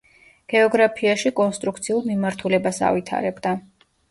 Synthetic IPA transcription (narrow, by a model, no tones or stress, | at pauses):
ɡ̥ɛɔɡɾapʰiaʃikʼɔnst̪ʼɾukʰt̪sʰiulˠmimaɾt̪ʰulɛbasa̰vit̪ʰa̰ɾɛbd̪a